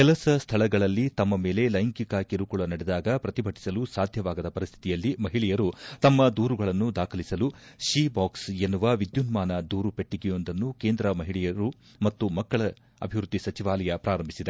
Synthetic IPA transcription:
kɛlɐsɐst̪ʰɐɭɐɡɐɭɐlːit̪ɐmːɐme̞ːle̞lɐjŋkikɐkiɾukuɭɐnɐɽɛd̪aːɡɐpɾɐt̪ibʱɐʈʰi̥sɐlusaːd̪ʱjɐʋaːɡɐd̪ɐpɐɾist̪ʰit̪ijɐlːimɐɦiɭɛjɐɾut̪ɐmːɐd̪uːɾuɡɐɭɐnːud̪aːkʰɐlisɐluʃiːbaːksenːuʋɐʋid̪junmaːnɐd̪uːɾupe̞ʈːiɡɛjo̞nd̪ɐnːukeːnd̪ɾɐmɐɦiɭɛjɐɾu | mɐt̪ːumɐkːɐɭɐ | ɐ̰bʱiʋɾud̪ʱːisɐt͡ʃiʋaːlɐjɐpɾaːɾɐmbʱisid̪e

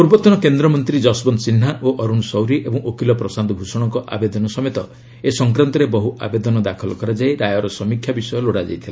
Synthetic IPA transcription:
puɾbɔt̪ɔnɔkend̪ɾɔmɔnt̪ɾid͡ʒɔsbɔnsin̤aʔoʔɔɾunsɔwɾiʔebɔŋʔokilɔpɾɔsand̪ɔbʱusɔɽ̃ɔŋkɔʔa̰bed̪ɔnɔsɔmet̪ɔ | esɔŋkɾant̪ɔɾebɔɦuʔa̰bed̪ɔnɔd̪akʰɔlɔkɔɾad͡ʒajɾajɔɾɔsɔmikʰjabisɔjɔloɽad͡ʒa̰jt̪ʰila

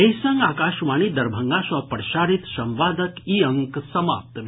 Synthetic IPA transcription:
ejsɐŋɡaːkaːʃʋaːnid̪ɐɾbʱɐŋɡaːʃɔpəɽʃaːɾit̪sɐ̃mʋaːd̪əkiːɐŋksɐma̰ːp̚t̪mi

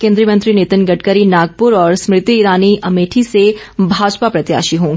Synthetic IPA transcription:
kẽːnd̪ɾijəmɐ̃nt̪ɾinɪt̪ɪnɡɐʈkəɾinaːɡ̚pʊɾɔːɾsmɾɪt̪iːɾaːniʔɐmeːʈʰise | bʱaːd͡ʒpapɾɐt̪ja̰ːʃiɦõːɡ

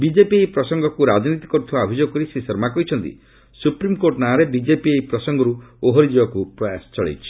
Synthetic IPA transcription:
bid͡ʒepiejpɾɔsɔŋɡʱɔkuɾad͡ʒnit̪i̥kɔɾut̪ʰibaːbʱed͡ʒoɡɔkɔɾisesɔɾmakɔɦjt͡ʃʰɔnt̪ḭ | supɾimkoɾʈnaaɾebid͡ʒepiejpɾɔsɔŋɡʱɔɾuoɦɔɾid͡ʒibɔkupɾɔjasɔ̥t͡ʃɔɭḛjt͡ʃʰi̥

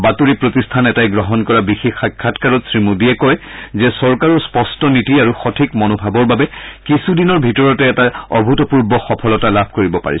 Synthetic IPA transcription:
batuɹipɹotistʰanɛtajɡɹɔɦɔnkɔɹabixixːakʰːatkaɹɔtsɹimudiɛkɔjzɛsɔɹkaɹɔspɔstɔnitiaɹuxɔtʰikmɔnobʱabɔɹbabɛkisudinɔɹbʱitɔɹɔtɛɛtaɔbʱutɔpuɹbɔxɔpʰɔlɔtalabʱkoɹibɔpa̰ɹḭs

